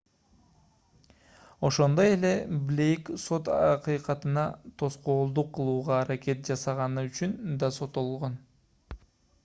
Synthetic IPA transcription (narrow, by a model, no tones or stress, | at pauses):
o̞ʃo̞nd̪oe̞le̞blʲe̞jkso̞t̪ɑ̰qɯjqɑt̪ɯnɑt̪ʰo̞sqo̞ːlˠd̪uqʰːɯlˠuːʁɑːɾakʲe̞t̪̚d͡ʒɑsɑʁɑnɯyt͡ʃynd̪ɑso̞t̪o̞lˠʁo̞n